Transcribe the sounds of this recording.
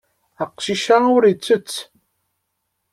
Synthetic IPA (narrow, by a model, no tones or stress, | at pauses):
əqʃiʃaʊɾit͡sːət͡sː